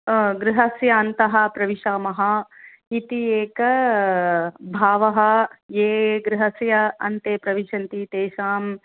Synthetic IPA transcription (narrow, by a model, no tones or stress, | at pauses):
ɡɾɪɦɐsjɐːnt̪ɐɦɐ̆pɾɐʋiʃaːmɐɦɐ | it̪ieːkɐ | bʱaːʋɐɦɐ̆jeːɡɾɪɦɐsjɐɐnt̪eːpɾɐʋiʃɐnt̪it̪eːʃaːm